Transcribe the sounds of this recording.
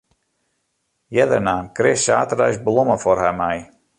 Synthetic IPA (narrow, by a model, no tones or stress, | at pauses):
jɛdərnaːnkrɪsa̰ːtərœ̰ɥsblɔməfɔrɦamɛj